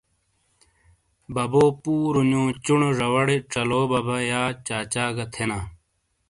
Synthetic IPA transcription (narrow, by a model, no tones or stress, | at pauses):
bɐboːpuːɾuɲũːt͡ɕuɳʐɐwɐɽeʈ͡ʂɐloːbɐbɐjaːt͡ɕaːt͡ɕaːɡɐt̪ʰenaː